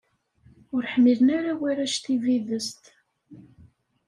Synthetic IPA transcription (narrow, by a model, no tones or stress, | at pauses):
ʊɾħmilənaɾawiɾæʃt̪iviðəst̪